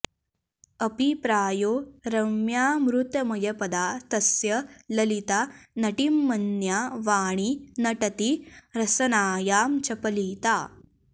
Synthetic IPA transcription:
ɐpipɾaːjoːɾɐmjaːmɾut̪ɐmɐjɐpɐd̪aːt̪ɐsjɐlɐlit̪anɐʈimːɐnjaːʋaːɳ̃inɐʈɐt̪iɾɐsɐnaːjaːmt͡ʃɐpɐliːt̪aː

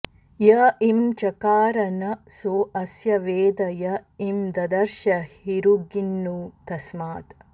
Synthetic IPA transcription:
jɐimt͡ʃɐkaːɾɐnɐsoːɐsjɐʋeːd̪ɐjɐimd̪ɐd̪ɐɾʃɐhhiɾuɡinːuːt̪ɐsmaːt̪

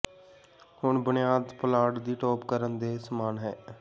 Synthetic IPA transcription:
hʊɳbʊnɪjaːd̪pəlaːɖd̪iːʈɔːpkəɾənd̪eːsəmaːnɦɛː

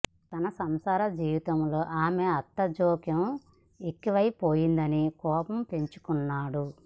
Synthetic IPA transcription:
t̪ɐnɐsɐmsaːɾɐd͡ʒiːʋit̪ɐmlo̞ːʔaːmeɐt̪ːɐd͡ʒoːkjɐm | ekːiʋɐjpoːjind̪ɐnikɔːpɐmpe̞ɲt͡ʃu̥kunːaːɽu

